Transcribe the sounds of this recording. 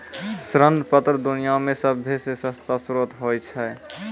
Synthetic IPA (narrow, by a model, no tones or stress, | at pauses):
sɾənpət̪ɾd̪unijamẽsəbʱːesesə̃st̪asɾot̪ɦojt͡ʃʰɛ